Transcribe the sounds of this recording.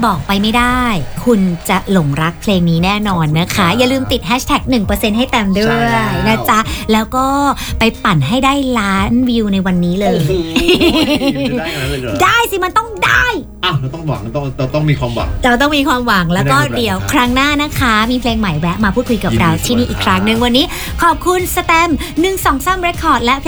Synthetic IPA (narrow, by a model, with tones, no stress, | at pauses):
bɔː˨˩k̚pa˧jma˥˩jdaː˥˩jkʰu˧nt͡ɕa˨˩lo˨˩˦ŋɾa˦˥k̚pʰleː˧ŋniː˦˥nɛː˥˩nɔː˧nːa˦˥kʰa˦˥ja˨˩ɾɯː˧mt̪i˨˩t̪̚hɛː˦˥t̪ʰɛ˨˩k̚nɯ˨˩ŋpɤː˧se˧nɦa˥˩jt̪ɛ˧mdu˥˩əjna˦˥t͡ɕʰa˦˥ʔlɛː˦˥wkɔː˥˩pa˧jpa˨˩nɦa˥˩jdaː˥˩jlaː˦˥nwi˧wna˧jwa˧nːiː˦˥lɤː˧j | daː˥˩jsi˧˩ma˧nt̪ɔ˥˩ŋda̰ː˥˩j | ʔa˧˩ɔ˥˩ŋwa˨˩˦t̪ɔ˥˩ŋmiː˧kʰwaː˧mwa̰˩˦ɾa˧wt̪̬ɔ˥˩ŋmiː˧kʰwaː˧mwa˨˩˦ŋlɛː˦wkɔː˥˩di˩˦əwkʰɾa˦˥ŋnaː˥˩na˦˥kʰa˦˥miː˧pʰleː˧ŋma˨˩jwɛ˦˥ʔ̚maː˧pʰu˥˩t̪̚kʰu˧jka˨˩ɾa˧wt̪ʰiː˥˩niː˥˩ʔiː˨˩kʰɾa˦˥ŋnɯ˨˩ŋwa˧nːiː˦˥ | kʰɔː˨˩p̚kʰu˧nsa˧t̪ɛ˧m | nɯ˨˩ŋsɔː˩˦ŋsa˥˩mɾe˦˥kʰːɔː˨˩t̪̚lɛ˦˥ʔpʰ